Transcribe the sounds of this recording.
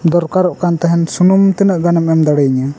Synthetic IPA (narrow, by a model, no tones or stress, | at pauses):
d̪ɔɾkaɾɔʔkant̪aɦɛnsunumt̪ɛnəʔɡanamɛmd̪aɽɛɲa